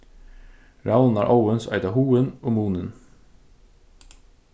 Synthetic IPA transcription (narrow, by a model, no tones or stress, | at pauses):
ɾɑlnæ̰ːɾʔaʊənsæ̰ɪd̪ɑhuːənoːmuːnən